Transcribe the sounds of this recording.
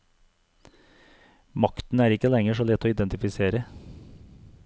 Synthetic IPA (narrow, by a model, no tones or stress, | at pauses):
mɑkt̪n̩æːɾɪkəlɛŋəʂoːlɛt̪ʰːoːɪd̪ɛnt̪ɪfɪseːɾə